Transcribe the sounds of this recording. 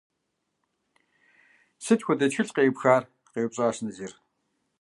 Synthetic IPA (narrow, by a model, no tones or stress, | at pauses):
sɨtxʷʊdɐt͡ɕxɨɮqeːpxaːr | qeːp̚ɕʼaʃnɐziːr